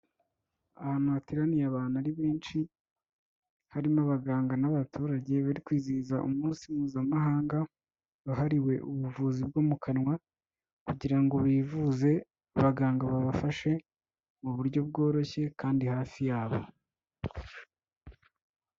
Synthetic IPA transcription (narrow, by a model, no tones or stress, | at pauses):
ahaːn̥huβatiɾanijaβaːnaɾiβeːnt͡ʃi | haɾimaβaɡaːŋɡanaβatʰuːɾaɟe̞βaɾikwiːziːzaʔumuːnsimuːzamaɦaːŋɡa | βaɦaɾiwe̞ʔuβuvuːzib̚ɡo̞ːmukʰanŋwa | kuɟiɾaŋɡo̞βiːvuze̞ | βaɡaːŋɡaβaβafaʃe̞ | muβuɾɟo̞b̚ɡo̞ːɾo̞çe̞kaːndihaːfijaːβo̞̰